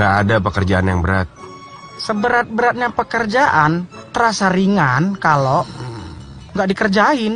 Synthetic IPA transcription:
ŋɡaʔadapəkərd͡ʒaanjaŋbəɾat̪̚ | səbəɾat̪̚bəɾat̪̚ɲapəkərd͡ʒaʔant̪əɾasaɾiŋankalo | ŋɡaʔdikərd͡ʒaɪn

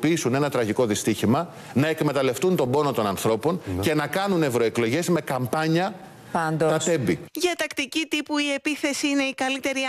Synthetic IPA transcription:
piisune̞nɐt̪ɾɐʝiko̞ðist̪içimɐ | nɐekme̞t̪ɐle̞ft̪unt̪o̞mbo̞no̞t̪o̞nɐnθɾo̞po̞nce̞nɐkɐnune̞vɾo̞e̞klo̞ʝe̞zme̞kɐmpɐɲɐ | ɐnd̪ok̪ɐt̪e̞mbiʝɐt̪ɐkt̪icit̪ipuie̞piθe̞siine̞ikɐlit̪e̞ɾi

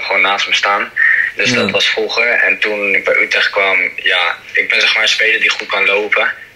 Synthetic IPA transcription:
χwoːnːaːstməstaːndɵsdɑtʋɑsfruχəɛ̰ntunb̥ɛjʔytrɛχt̚kʋɑmjaɪɡ̚bɛnzɛχsmaːɹənspejləɹdiχut̚kɑnlowpə

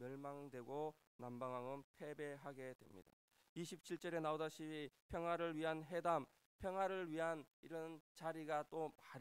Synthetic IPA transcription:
mjʌɭmaŋdwe̞ɡo | nambaŋaŋɯnpʰe̞be̞ɦaɡe̞dwe̞̰mɲḭda̰ | iɕʰip̚t͡ɕʰiɭt͡ɕ͈ʌɾe̞naodaɕʰiipʰjʌŋwaɾɯɭɥiɦanɦe̞dam | pʰjʌŋɦwaɾɯɭɥiɦaniɾʌnt͡ɕaɾiɡat͈omaɾ

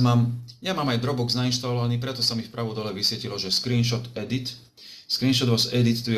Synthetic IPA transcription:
maːmjamaːmajd̪ɾɔbɔɡznainʃt̪alɔʋaniːpɾɛt̪ɔsamifpɾaʋɔd̪ɔlɛʋisʋɛcilɔʒɛskɾiːnʃɔt̪ɛd̪it̪ | skɾiːnʃɔd̪ʋɔsɛd̪it̪ːu

